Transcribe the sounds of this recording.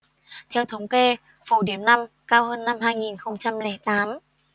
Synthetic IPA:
t̪ʰɛ˧wt̪ʰə˨˦wŋ͡mke˧ | fu˧˩ɗi˧˩əmna˧m | kaː˧whəː˧nːa˧mɦaː˧jŋi˨˩nxə˧wŋ͡mt͡ɕa˧mlɛ˧˩t̪aː˨˦m

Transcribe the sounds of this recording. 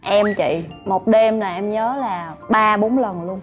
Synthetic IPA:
ʔɛ˧mt͡ɕḭ˧˨mo˨˩t̚ɗe˧mlaː˨˩ʔɛ˧mɲəː˨˦laː˨˩ɓaː˧ɓo˨˦nlə˨˩nlu˧ən

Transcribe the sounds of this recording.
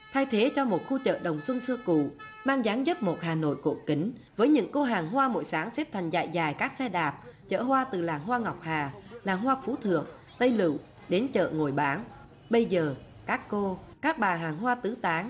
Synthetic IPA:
t̪ʰa˧jt̪ʰe˨˦t͡ɕɔ˧mo˨˩t̚xu˧t͡ɕə̰ː˧˨ɗə˨˩wŋ͡mswə˧nsɨ˧əkṵ˧˨maː˧ŋzaː˨˦ŋzə˦˥p̚mo˨˩t̚haː˨˩no̰˧˨jkṵ˧˩ki˨˦ŋ̟ | vəː˨˦jɲɨ̰˧˥ŋko˧ɦaː˨˩ŋɦwaː˧mo̰˧˨jsaː˨˦ŋsɛ˦˥p̚t̪ʰa˨˩jŋ̟za̰˧˨jzaː˨˩jkaː˦˥k̚sɛ˧ɗaː˨˩p̚t͡ɕə̰ː˧˨hwaː˧t̪ɨ˨˩laː˨˩ŋɦwaː˧ŋa˨˩wk͡p̚haː˨˩laː˨˩ŋhwaː˧fu˨˦t̪ʰɨ̰˧˨əŋ | t̪ə˧jlɨ̰˧˨w | ɗe˨˦nt͡ɕə̰ː˧˨ŋo˨˩jɓaː˨˦ŋ | ɓə˧jzəː˨˩ | kaː˦˥kːo˧kaː˦˥k̚ɓaː˨˩ɦaː˨˩ŋɦwaː˧t̪ɨ˨˦t̪aː˨˦ŋ

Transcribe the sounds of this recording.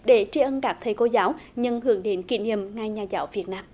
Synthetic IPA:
ɗe˧˩˦t͡ɕi˧ʔə˧nkaː˦˥k̚t̪ʰə˨˩jko˧zaː˨˦wɲɨ˧ŋhɨ̰˧˩əŋɗe˨˦nkḭ˧˩˦nḭ˧˨əmŋaː˧˩jɲaː˨˩zaː˨˦wvi˨˩ət̚naː˧m

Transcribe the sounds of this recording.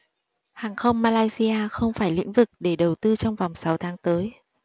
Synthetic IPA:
haː˨˩ŋxə˧wŋ͡mmaː˧laː˧jsi˧ʔaː˧xə˧wŋ͡mfaː˧˩jlḭ˧˥ŋ̟vɨ˨˩k̚ɗe˧˩ɗə˨˩wt̪ɨ˧t͡ɕɔ˧wŋ͡mva˨˩wŋ͡msa˨˦wt̪ʰaː˨˦ŋt̪əː˨˦j

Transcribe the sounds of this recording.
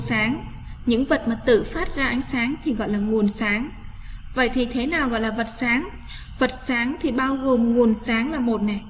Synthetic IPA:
saː˨˦ŋ | ɲɨ̰˧˥ŋvə˨˩t̚maː˨˩t̪ɨ̰˧˨faː˦˥t̚zaː˧ʔa˨˦jŋ̟saː˨˦ŋt̪ʰi˨˩ɣɔ̰˧˨jlaː˨˩ŋu˨˩ənsaː˨˦ŋ | və̰˧˨jt̪ʰi˨˩t̪ʰe˨˦naː˨˩wɣɔ̰˧˨jlaː˨˩və˨˩t̚saː˨˦ŋ | və˨˩t̚saː˨˦ŋt̪ʰi˨˩ɓaː˧wɣo˨˩mŋu˨˩ənsaː˨˦ŋlaː˨˩mo˨˩t̚nɛ˨˩

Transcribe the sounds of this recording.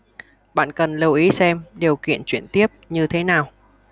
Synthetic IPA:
ɓa̰ː˧˨nkə˨˩nlə˧wʔi˨˦sɛ˧mɗi˨˩wkḭ˧˨ənt͡ɕwi˧˩ənt̪i˦˥əp̚ɲɨ˧t̪ʰe˨˦naː˨˩w

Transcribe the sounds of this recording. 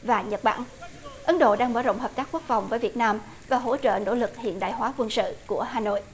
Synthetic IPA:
vaː˨˩ɲə˨˩t̚ɓa̰ː˧˨n | ʔə˨˦nɗo̰˧˨ɗaː˧ŋɓəː˧˩zo̰˧˨wŋ͡mɦəː˨˩p̚t̪aː˦˥kːu˦˥ək̚fa˨˩wŋ͡mvəː˨˦jvi˨˩ət̚naː˧m | vaː˨˩ɦo̰˧˥t͡ɕə̰ː˧˨no̰˧˥lɨ˨˩k̚hḭ˧˨ənɗa̰ː˧˨jɦwaː˨˦kwə˧nsɨ̰˧˨ku˧˩əɦaː˨˩no̰˧˨jʔ

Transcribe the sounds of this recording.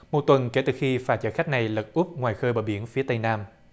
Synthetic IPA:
mo˨˩t̚t̪wə˨˩nke˧˩t̪ɨ˨˩xi˧faː˧˩t͡ɕaː˧˩jxa˦˥k̟̚na˨˩jlə˨˩t̚ʔʊ˦˥p̚ŋwaː˨˩jxəː˧ɓəː˨˩ɓi˧˦ənfi˨˦t̪ə˧jnaː˧m

